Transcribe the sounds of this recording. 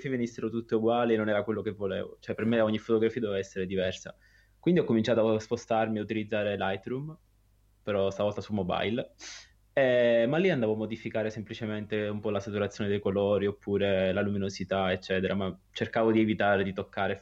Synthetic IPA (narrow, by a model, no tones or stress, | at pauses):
fievenisːeɾot̪ut̪ːeuɡwaːlienːonɛːɾakwelːokevːolḛːvo̰t͡ʃoɛpːermeɔɲːifot̪oɡɾafiːd̪evevaɛsːeɾed̪ivɛrsa̰ | kwind̪iɔkːomint͡ʃaːt̪oaspost̪armiaut̪ilid̪zːaːɾelajt̪ɾum | peɾɔst̪avɔlt̪asulmoba̰jl | ɛmalːiand̪avoamːod̪ifikaːɾesemplit͡ʃement̪eumpɔlasat̪uɾat̪sːjoːned̪ejkolɔːɾiopːuːɾelaluminozit̪aet͡ʃːɛːt̪eɾama | t͡ʃerkaːvod̪ievit̪aːɾed̪it̪okʰːaːɾe